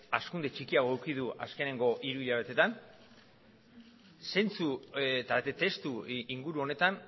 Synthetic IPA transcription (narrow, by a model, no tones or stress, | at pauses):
askund̪e̞t͡ʃikiaɣo̞awkið̞ua̰ske̞ne̞ŋɡo̞ʔiɾuiʎaβe̞t̪e̞t̪an | se̞nt͡sut̪aɾt̪et̪e̞st̪uiŋɡuɾuo̞ne̞t̪an